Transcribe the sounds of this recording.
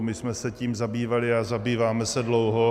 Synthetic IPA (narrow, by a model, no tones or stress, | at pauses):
mɪsmɛsɛciːmzabiːvalɪazabiːvaːmɛsɛdlowɦo